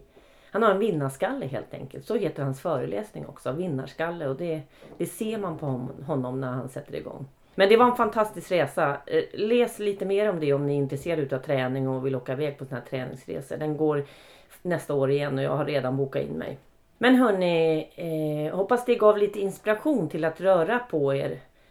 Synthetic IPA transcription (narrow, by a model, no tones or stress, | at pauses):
hanhaɾɛnvɪnːaʂkalːəɦḛːlt̪ʰɛ̰ŋkəlt̪sɔheːt̪əɾhansfœːɾəlʔɛ̰ːsnɪ̰ŋɔ̰ksɔvɪnːa̰ʂkalːəɔd̪ɛd̪̥ɛseːɾmanpʰɔhɔɦɔnːɔmnæɾha̰nsɛt̪ːəɾɪ̰ɡɔ̰ŋː | mɛnd̪ɛvaɾɛnfant̪ʰast̪ɪskɾeːsalɛːsliːt̪əmeːɾɔmd̪ɛɔmnɪɪnt̪ɾɛseːɾad̪ʉːt̪avt̪ʰɾɛːnɪŋɔvɪloːkaɪvɛːɡ̚pʰɔsɔnhæːʈ̪ʰɾɛːnɪ̰ŋsɾḛːsə̰ɖ̪ɛnɡoːɾ | nɛst̪aoːɾɪjɛnːɔjɑ̰ːɡhaɾːeːd̪anbuːkaɪ̰nːmɛ̰j | mɛnɦœɳɪ | hɔpːasd̪ɛɡɑːvliːt̪əɪnspɪɾaɧuːnt̪ʰɪlat̪ɾœːɾapʰɔeːɾ